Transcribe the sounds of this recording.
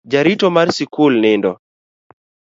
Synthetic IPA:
d͡ʒaɾitɔmarsɪkʊlnɪndɔ

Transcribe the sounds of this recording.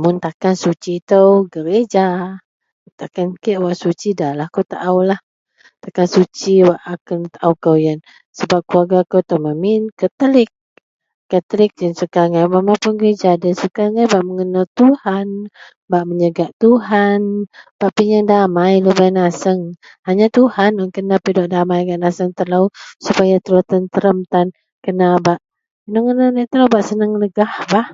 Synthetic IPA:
mʊnt̪akansut͡ʃit̪əwɡəɾed͡ʒa | t̪akankeʔwaʔsut͡ʃidalahkowt̪aʔawlah | t̪akansut͡ʃiwaʔakənt̪aʔawkəwjan | səbap̚kuaɡakəwt̪əwməmɪnkət̪əlɪk̚ː | ət̪əlɪk̚dansəkaŋajbaʔmapʊnɡəɾed͡ʒadansukaŋajbaʔməŋənəlt̪uhan | baʔməɲəɡaʔt̪uɦanb̥aʔpiɲaŋdamajlubanasəŋ | haɲat̪uhanɔŋkənapidɔʔdamajɡaʔnasəŋt̪ələwsupajat̪ələwt̪ənt̪əɾəmt̪an | kənabaʔ | nɔŋənaləʔt̪ələwbaʔsənəŋləɡahbah

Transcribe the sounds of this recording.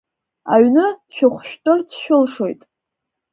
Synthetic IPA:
a̰ɥnɨʃᶣʊχʷʃᶣtʼɨrt͡sʰʃᶣʊlʂo̞jtʼ

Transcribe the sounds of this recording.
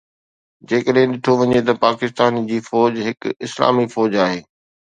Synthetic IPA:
d͡ʑeːkəɗɦɪ̃ɗɪʈʰoʋɐɲet̪ɐpaːkɪst̪aːnd͡ʑiːfɔːd͡ʑɦɪkɪsla̰ːmifɔːd͡ʑaːɦeː

